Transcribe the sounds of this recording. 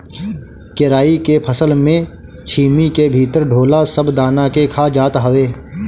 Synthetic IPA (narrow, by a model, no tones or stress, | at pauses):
kɪɾaːikepʰəsəlmẽ | t͡ʃʰiːmikebʱiːt̪əɾɖʱoːlasəbd̪aːnakekʰad͡ʒaːt̪ɦəʋeː